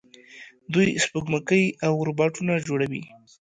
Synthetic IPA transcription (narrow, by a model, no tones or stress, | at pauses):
d̪ujspəɡməkəjawʊɾbɑʈunad͡ʒoɽawḭ